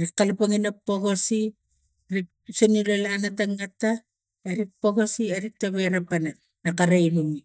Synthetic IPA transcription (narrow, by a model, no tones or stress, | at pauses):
ɾikːalapaŋinapːoɣosi | ɾik̚ | sonilolanataŋɡata | aɾik̚poɣosiaɾik̚taβejɾapana | nakaɾajnuŋi